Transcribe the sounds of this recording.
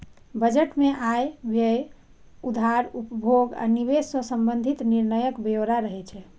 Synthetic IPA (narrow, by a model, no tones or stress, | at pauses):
bəd͡ʒeʈmeʔajbʱe | ud̪ʱaɾupəbʱoɡa̰niβesɔ̃səmbənd̪ʱit̪niɾnəjəkbeoɾaɾəɦɛt͡ʃʰɛ